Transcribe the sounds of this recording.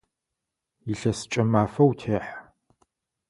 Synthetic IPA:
jɪɬɐsɨ̥t͡ʃʼɐmaːfɐwtʰeːħ

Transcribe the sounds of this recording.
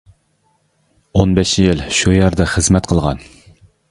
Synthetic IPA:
onbɛʃjɪlʃujɛɾd̪ɑχəzmɛt̪̚qʰəlˠʁɑ̰n

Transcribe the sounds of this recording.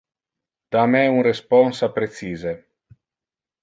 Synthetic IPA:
d̪̥amɛunrespɔnsapɾet̪siːze

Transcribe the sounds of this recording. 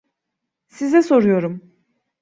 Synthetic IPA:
sizɛso̞ɾujo̞ɾum

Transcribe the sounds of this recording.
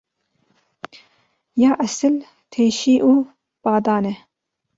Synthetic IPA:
jɑːʔɐsɨl | t̪ʰeːʃiːʔuː | b̥ɑːd̪ɑːnɛ

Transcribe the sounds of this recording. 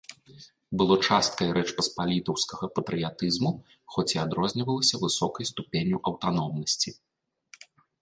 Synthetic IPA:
bɨlˠɔt͡ʂast̪̚kɐjɾɛt͡ʂpɐspalʲit̪ɐwskɐɣɐpɐt̪ɾɨjat̪ɨzmu | xɔt͡sʲiad̪ɾɔzʲnʲivɐlˠɐsʲɐvɨsɔkɐjst̪upʲenʲuʔɐwt̪anɔmnɐsʲt͡sʲi

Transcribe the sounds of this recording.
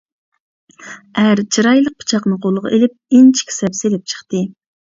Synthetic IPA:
æɾt͡ʃʰiɾɑjlˠəq̚pʰɨ̥t͡ʃʰɑqnɨqʰolˠəʁɑ̰ʔelɪp̚ɪnt͡ʃʰi̥kʲʰi̥sɛpselɪp̚t͡ʃʰə̥χt̪ɨ

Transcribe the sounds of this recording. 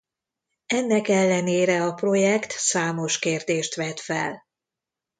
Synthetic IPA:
ɛnːɛkɛlːɛneːɾɛɒpro̞jɛkt̪saːmo̞ʃkeːrd̪eːʃt̪ʋɛt̪fɛ̰l

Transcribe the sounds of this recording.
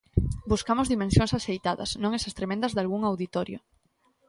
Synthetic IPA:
buskamozðimẽnsjoŋsasejt̪aðɐ̰snõŋesast̪ɾemẽnd̪azðalɣuŋawðit̪oɾjo̰

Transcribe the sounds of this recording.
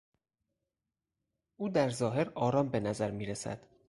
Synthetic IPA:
ʔuːd̪æɾzɒːɦe̞ɾɒːɾɒːmbe̞næzæɾmiːɾesæ̰d̪̥

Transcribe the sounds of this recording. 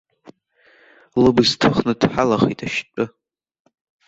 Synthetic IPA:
lɨbɨztʰɨχnɨdħalaχḛtʼaʃt͡pʼɨ

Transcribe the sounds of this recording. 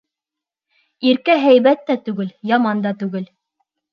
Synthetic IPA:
iɾkæɦæjβæt̪ːæt̪ʉɡɘljɑmɑnd̪ɑt̪ʉɡɘl

